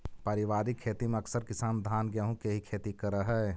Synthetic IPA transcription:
pɐɾɪʋaːɾikʰːeːt̪imẽɐksəɾkɪsaːnd̪ʱaːnɡɛɦũkeɦikʰeːt̪ikəɾəɦɛː

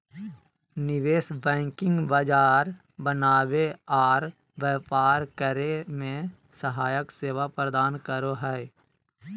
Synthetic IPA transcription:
nɪʋeːsbɛ̃ːŋkɪ̃ŋɡbəd͡ʒaːɾ | bənaːweɔːɾ | ʋɛːpaːɾkəɾemẽ | səɦaːjəkseːʋapɾəd̪aːnkəɾoɦɛː

